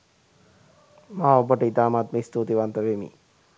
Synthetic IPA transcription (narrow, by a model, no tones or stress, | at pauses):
maːobəʈəid̪aːmaːt̪məist̪uːt̪iʋant̪əʋemḭ